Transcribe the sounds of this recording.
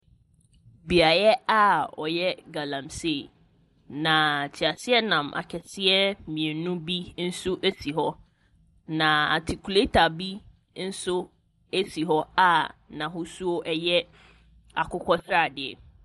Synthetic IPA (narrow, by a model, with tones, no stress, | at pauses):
bi˨a˨ɾɛ˦a˦ɔ̰˨jɛ˦ɡa˨lã˨mse˦˨ | nã˨tʰi˨a˨sɪ˦ɛ˦nã˨mʔa̰˨kʰɛ˨sɪ˦ɛ˦mĩ˨e˨nũ˦bi˦n̩˦sʊ˦ʔe˦si˨ɦɔ˦ | nã˨a̰˨tʰi˨kʰu˨le˦tʰa˨bi˦ | n̩˦sʊ˦ | e˦si˨ɦɔ˦a˨nã˨ɦʊ˦su˦o˦ʔɛ˦jɛ˦ | a˨kʊ˦kʰɔ˦sɾa˦˨dɪ˨ɛ̰˨